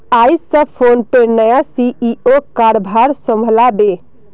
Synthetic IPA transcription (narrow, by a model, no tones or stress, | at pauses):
ajsə̃pʰonpeɾnəjasiʔiokaɾbʱaɾsə̃mbʱəlabe